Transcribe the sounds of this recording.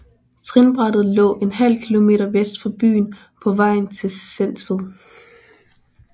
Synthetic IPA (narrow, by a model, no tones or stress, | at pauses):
t͡sʰʁinb̥ʁɑd̥ð̩ˠlɔ̰̽ːe̝nɦæl̰kʰilo̝me̝̰ːɾɐʋesd̥fɒb̥y̰ːn | pʰɒ̽ʋɑ̈ɪ̰n̩t͡sʰe̝sen̰sʋ̥əðˠ